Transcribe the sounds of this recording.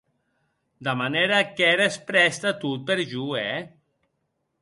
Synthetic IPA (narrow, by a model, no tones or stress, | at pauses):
d̪amaneɾakɛɾespɾɛst̪at̪ut̪̚peɾʒuɛ